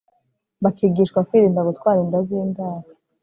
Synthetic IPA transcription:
βakiːɡiːʃkwakwiːɾiːndaɡutkwaːɾindaziːndaːɾa

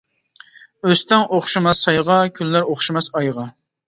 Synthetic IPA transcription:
øst̪ɪŋʔoχʃɨmɑsɑjʁɑkʲʰylːæɾoχʃimɑsɑjʁɑ

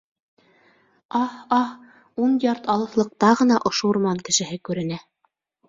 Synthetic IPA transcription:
ɑhɑh | unjɑɾt̪ɑlˠɤ̆θlˠɤ̆q̚t̪ɑʁɤ̆nɑʔŏʃoŭɾmɑŋkɘ̆ʃɘ̆ɦɘkʉɾɘ̆næ

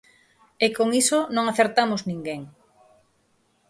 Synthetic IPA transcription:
ekoŋisonõŋaθeɾt̪amʊznĩŋɡeŋ

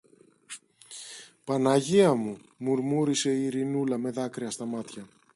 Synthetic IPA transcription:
pɐnɐʝiɐmu | muɾmuɾise̞iiɾinulɐme̞ðɐkɾiɐst̪ɐmɐt̪çɐ

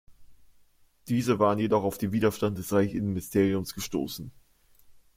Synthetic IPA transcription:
d̥iːzəvaːʁənjedɔχaʊfd̥eːnviːdɐʃtant̚d̥ɛsʁaɪçɪnn̩mɪstʰeːʁiʊmsɡ̥əʃto̰ːsn̩

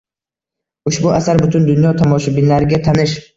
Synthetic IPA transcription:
ʊʃbʊasaɾbʊt̪ʰʊnd̪ʊnjɒt̪ʰɒmɒʃɪbɪnlaɾɪɡʲat̪ʰanɪʃ

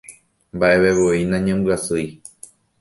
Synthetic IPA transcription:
mbaʔe̞βeβoinãɲẽmbɨasɨj

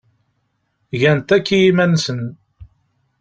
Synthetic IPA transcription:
ʝænt̪ækːijimænsən

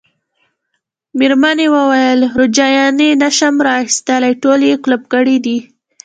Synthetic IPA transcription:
meɾmanewəwajəlɾod͡ʒɑjɑnenaʃamɾɑxist̪əlajʈoleklub̚ɡəɽid̪i

